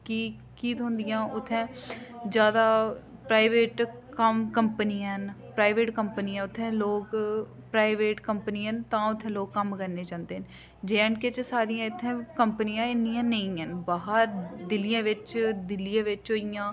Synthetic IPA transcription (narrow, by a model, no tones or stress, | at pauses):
kiː | kiːt̪õːnd̪ijãːʊt̪ʰːɛ̃ːd͡ʒjaːd̪aːpɾaːiʋeːʈkəmkəmpniãɦnpɾaːiʋeːʈkəmpəniːãːʊt̪ʰːɛ̃ːloːk | pɾaːɪʋeːʈkəmpəniːənt̪ãːʊt̪ʰːɛ̃ːloːɡːəmkəɾneːd͡ʒãːnd̪eːɦən | d͡ʒeːəɳket͡ʃsaːɾijãːɪt̪ʰːɛ̃ːkəmpənijãːɪndijãːnəĩːɦənbaːɦəɾd̪ɪlijãːʋɪt͡ʃd̪ɪlːijãːʋɪt͡ʃɦoːijãː